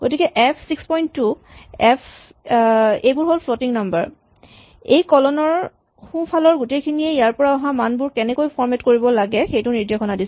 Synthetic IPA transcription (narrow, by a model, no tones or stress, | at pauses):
ɡ̥otikɛʔɛpʰsikspɔjntːu | ɛpʰ | ejbʊɹɦolpʰlotiŋnambəɹ | ḛjkɔlɔnɔɹ | xũpʰalɔɹɡutejkʰiniɛijaɹpɔɹaɔɦãmanbʊɹkɛnɛkojpʰɔɹmɛtkoɹibɔlaɡɛxejtʊniɹdexʰɔnadis